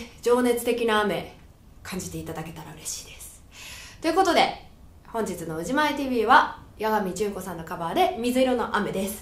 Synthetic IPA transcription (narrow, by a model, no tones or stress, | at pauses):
d͡ʑo̞ːne̞t͡sɨ̥t̪e̞kʲinaːme̞ | kʰãɲ̟d͡ʑit̪e̞it̪ad̪ake̞t̪aɾaɯ̟ɾe̞ɕi̥ːd̪e̞̥sɨ̥ | t̪o̞jɯ̟ko̞t̪o̞d̪e̞ | hõ̞ɲ̟d͡ʑit͡sɨno̞ɯ̟ʑimaet̪iːbʲiːβajaɡamʲid͡ʑɨːko̞sãnːo̞kabad̪e̞mʲizɨiɾo̞no̞ʔame̞d̪esɨ̥